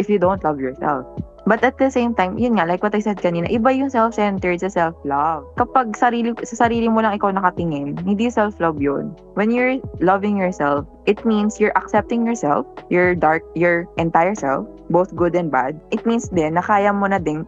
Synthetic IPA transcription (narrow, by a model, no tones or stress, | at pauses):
ʔɪfjʊd̪ownt̪lɐvjɔɹsɛ̰lf | bɐt̪ɐt̪̚d̪ɐsẽjmt̪ajmjʊnŋalajkwɔt̪ɐjsɛd̪̚kɐniːnɐ̰ʔɪbajʊŋsɛlfsɛnt̪ɛɹd̪̚sɐsɛlflɐvkɐpaɡ̚sɐɾiːlɪsɐsɐɾiːlɪmolɐŋʔɪkawnɐkɐt̪ɪŋɪnhɪ̃nd̪ijʊsɛlflɐbjon | wɛnjʊɹlɐvɪ̃ŋjɔɹsɛlfʔɪt̪̚minsjʊɹʔɐk̚sɛp̚t̪ɪ̃ŋjɔɹsɛ̰lfjɔɹd̪aɹk̚jɔɹʔɛ̃nt̪ajɛɹsɛ̰lfbowθɡʊd̪ɛ̃nd̪̚ba̰d̪̚ʔɪt̪̚minsd̪ɛnːɐkaːjɐmonɐd̪ɪn